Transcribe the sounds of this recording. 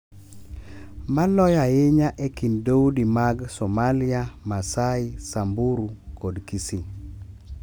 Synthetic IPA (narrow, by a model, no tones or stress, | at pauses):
malɔjajɪɲaʔekindoudimaɡsɔmalijamasaɪsambuɾukodkisi